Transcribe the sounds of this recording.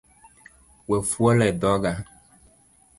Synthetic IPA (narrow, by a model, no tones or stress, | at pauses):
wefuɔlɛd̪ɔɡa